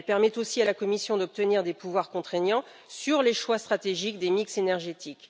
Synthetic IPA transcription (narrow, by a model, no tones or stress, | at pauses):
ɛlpɛʁmɛt̪osialakɔmisjɔ̃d̪ɔp̚t̪əniʁd̪epuvwaʁkɔ̃t̪χenɑ̃ | syʁleʃwast̪χat̪eʒikd̪emiksenɛʁʒet̪ʰik